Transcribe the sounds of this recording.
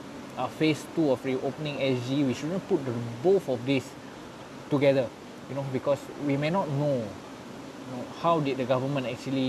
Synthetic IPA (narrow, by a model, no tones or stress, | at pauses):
afestuɔfɹiʔopənĩŋɛsd͡ʒiwiʃudə̃nput̚dəboθɔfdis | tuɡɛdə | junobikɔs | wimenɔt̚no | junohawdit̚dəɡavəmə̃ntɛk̚t͡ʃuəli